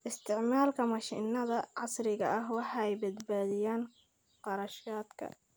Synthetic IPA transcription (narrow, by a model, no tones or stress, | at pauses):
ʔɪst̪ɪʕmaːlkamaʃḭʔnːad̪aʕɑsˤɾikaʔaɦwaħajbad̪baːd̪ɪjan | qɑɾˤɑʃjaːt̪ka̰